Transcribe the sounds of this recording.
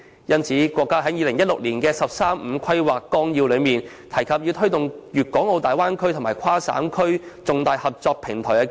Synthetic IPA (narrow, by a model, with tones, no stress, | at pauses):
jɐ˥nt͡sʰiː˨˥kʷɔː˧kːaː˥ɦɐ˨˥jiː˨lɪ˨˩ŋjɐ˥t̚lʊ˨k̚liː˨˩nkɛː˧sɐ˨p̚saː˥m̩ː˨˧˥kʰɐ˥jwaː˨˩kːɔː˥ŋjiː˧wlɵ˨˧ɥmiː˨n | t̪ʰɐ˨˩jkʰɐ˨p̚ji˧wt̪ʰɵ˥t̪ʊ˨ŋjyː˨t̚kɔː˨˥ŋo˧wt̪aː˨jwaː˥nkʰɵ˥ɥt̪ʰʊ˨˩ŋmaː˨˩jkʷʰaː˥sa̰ː˨˥mkʰɵ˥ɥt͡sʊ˨ŋt̪aː˨˧jhɐ˨p̚t͡sɔː˧k̚pʰɪ˨˩ŋt̪ʰɔː˨˩jɐ˧k